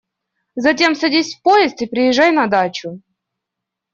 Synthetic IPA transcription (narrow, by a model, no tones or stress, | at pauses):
zɐtʲe̞msɐdʲisʲfpojɪst̪ɨpɾʲɪjɪʐːajnɐd̪at͡ɕʊ